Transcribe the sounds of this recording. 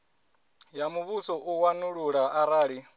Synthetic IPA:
jamuβusɔʔuwanuɺuɺaʔaɾaːɺi

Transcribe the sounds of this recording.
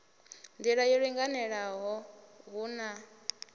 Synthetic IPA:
nd̪iɺajiɺiŋɡanɛɺaɦɔɦuna

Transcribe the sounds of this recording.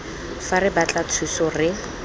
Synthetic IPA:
farɪbat͡ɬat͡sʰusɔrɪ

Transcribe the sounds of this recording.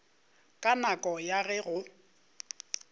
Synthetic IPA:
kʼanakʼɔjaɣɛɣʊ

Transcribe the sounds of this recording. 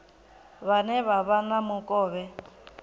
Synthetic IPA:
βanɛβaβanamʊkʼɔːβɛ

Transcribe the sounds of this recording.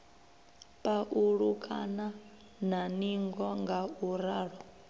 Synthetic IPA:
pʼaʔuɺukʼa̰na | naniŋɡɔŋɡauɾaːɺɔ

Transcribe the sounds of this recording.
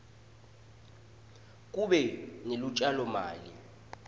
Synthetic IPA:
k̬ʼuɓɛnelut͡ʃʼalɔmaːli

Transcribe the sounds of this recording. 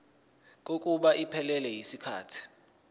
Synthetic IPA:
k̬ʼok̬ʼuɓaʔipʰɛlɛlɛjisikʰaːtʰi̥

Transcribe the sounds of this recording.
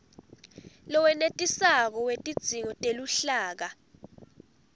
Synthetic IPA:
lɔwɛnetʼisak̬ɔwetʼid̥z̥ʱiŋɔtʼeluɬaːk̬a

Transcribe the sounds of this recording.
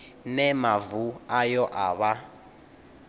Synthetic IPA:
nɛmavuajɔʔaβa

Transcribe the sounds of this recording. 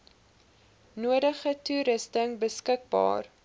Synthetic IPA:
nuədəχətuɾəstəŋbəskək̚bɑ̰ːr

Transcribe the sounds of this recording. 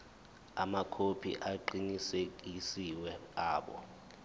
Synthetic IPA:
a̰makʰopʰḭʔaǃinisek̬isiwɛaːɓɔ̰

